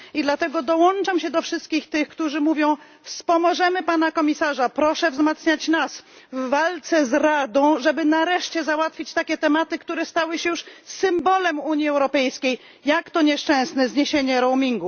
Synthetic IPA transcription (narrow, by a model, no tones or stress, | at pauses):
id̪lat̪ɛɡɔd̪ɔwɔnt͡ʂamɕɛd̪ɔfʂɘst̪̚kʲixt̪ɘxkt̪uʐɘmuvʲjɔ̃w̃ | fspɔmɔʐɛmɘpan̪akɔmʲisaʐapɾɔʂɛvzmat̪sɲat͡ɕnas | vːalt̪sɛzɾad̪ɔ̃w̃ʐɛbɘnaɾɛʂt͡ɕɛzawat̪fʲit͡ɕt̪akʲɛt̪ɛmat̪ɘkt̪uɾɛst̪awɘɕɛjuʂsɘmbɔlɛmuɲjiɛwɾɔpɛjskʲej | jakt̪ɔɲɛʂt͡ʂɛ̃snɛzɲeɕeɲɛɾɔwmʲiŋɡu